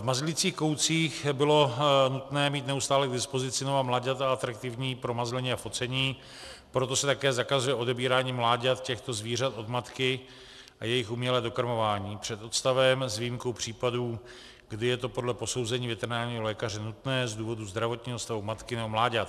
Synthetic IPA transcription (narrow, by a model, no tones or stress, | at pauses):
vmazlɪt͡siːxko̞wt͡siːxbɪlo̞nut̪nɛːmiːt̪nɛust̪aːlɛɡdɪspo̞zɪt͡sɪnovamlaɟat̪aat̪ɾak̚t̪ɪvɲiːpɾo̞mazlɛɲiːafo̞t͡sɛɲiː | pɾot̪o̞sɛt̪akɛːzakazujɛʔo̞dɛbiːɾaːɲiːmlaːɟat̪̚cɛxt̪o̞zviːr̝at̪ʔo̞d̪mat̪kɪ | ʔajɛjɪxʔumɲɛlɛːdo̞kaɾmo̞vaːɲiːpr̝̥ɛt̪ot̪st̪avɛmzviːmko̞wpr̝̥iːpaduː | ɡdɪjɛt̪o̞po̞dlɛpo̞so̞wzɛɲiːvɛt̪ɛɾɪnaːlɲiːɦo̞lɛːkarɛnut̪nɛːzd̪uːvo̞duzd̪ɾavo̞t̪ɲiːɦost̪avumat̪kɪnɛbomlaːɟat̪